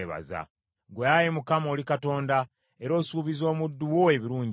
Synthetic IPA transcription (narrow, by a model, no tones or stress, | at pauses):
βa̰za̰ | ɡwejajemukamo̞ːlikato̞ːnda | e̞ɾo̞ːsuːβizoːmudːuwo̞e̞βiɾuːɲɟ